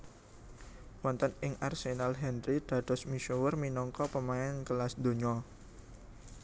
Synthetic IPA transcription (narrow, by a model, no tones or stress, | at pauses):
wɔnt̪ənɪŋarsenalɦɛnrid̪̥a̤d̪̥ɔ̤smiʃuwərminɔŋkɔpəmaɛnkəlasd̪o̤ɲɔ